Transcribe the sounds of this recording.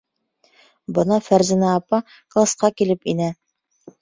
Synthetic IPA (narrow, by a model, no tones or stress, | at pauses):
bɤ̆nɑfæɾzɘ̆næːpɑ | klˠasqɑkilɘpinæ